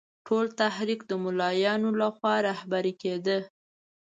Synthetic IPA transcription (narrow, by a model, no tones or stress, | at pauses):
ʈʰolt̪ahɾikd̪əmʊlɑjɑnolaxwɑɾahbaɾiked̪ə